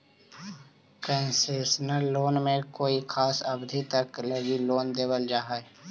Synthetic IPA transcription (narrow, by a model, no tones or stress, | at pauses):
kənseːʃnəɾːoːnmẽkoːikʰaːsɐbd̪ʱit̪əkləɡiloːnd̪eːbəld͡ʒaːɦae